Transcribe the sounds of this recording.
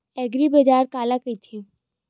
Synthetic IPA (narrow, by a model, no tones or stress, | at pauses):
ɛːɡɾibɐd͡ʒaːɾkaːlakɐit̪ʰi